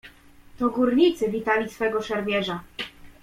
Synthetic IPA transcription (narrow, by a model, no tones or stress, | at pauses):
t̪ɔɡuɾɲit̪sɘvʲit̪alʲisfɛɡɔʂɛɾmʲjɛʐa